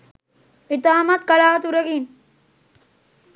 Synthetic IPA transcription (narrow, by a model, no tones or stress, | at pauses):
it̪aːmɐt̪̚kɐlaːt̪uɾɐɡin